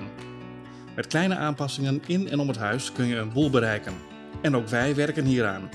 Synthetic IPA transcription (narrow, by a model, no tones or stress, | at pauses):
n | mɛtklɛjnəʔaːnpɑsɪŋənɪnɛ̰nɔmətɦœɥskønjəənbulˠbəɾɛjkən | ɛnoːwkʋɛjʋɛrkənɦiːɾa̰ːn